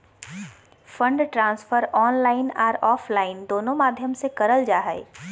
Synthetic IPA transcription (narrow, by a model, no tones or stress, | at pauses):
fə̃ɳɖʈɾãːsfəɾɔːnlaːɪnaːɾɔːfʰlaːɪnd̪oːnõmaːd̪ʱjəmsekɐɾəld͡ʒaːɦɛḭ